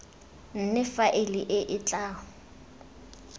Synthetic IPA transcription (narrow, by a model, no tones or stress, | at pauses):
n̩nɪfaʔɪlɪʔɪʔɪt͡ɬʼaːhʊ